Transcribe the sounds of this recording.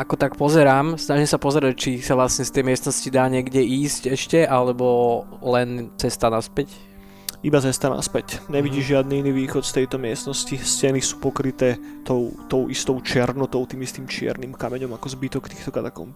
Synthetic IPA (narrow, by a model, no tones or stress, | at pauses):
ʔakɔt̪akpɔzɛɾaːmsnaʒimsapɔzɛɾac̚t͡ʃisaʋlasɲɛst̪ɛjmɪɛst̪nɔscid̪aːɲɪɛɡɟɛiːscɛʃcɛʔalɛbɔlɛnt͡sɛst̪anaspɛc | ibat͡sɛst̪ana̰spɛcɲɛʋiɟiːʒʒɪad̪niiniːʋiːxɔt̪st̪ɛjt̪ɔmɪɛst̪nɔsciscɛnisu̥ːpɔkɾit̪ɛːt̪ɔʊt̪ɔʊʔist̪ɔʊt͡ʃɪɛɾnɔt̪ɔʊt̪iːmist̪iːmt͡ʃɪɛ̰ɾniːmkamɛɲɔmakɔzbit̪ɔkt̪iːxt̪ɔkad̪akɔ̰l